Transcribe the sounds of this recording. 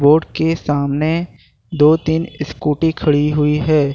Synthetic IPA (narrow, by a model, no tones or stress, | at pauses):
boːɾɖkesaːmne | d̪oːt̪iːnɪskuːʈikʰɐɭiɦʊiɦɛː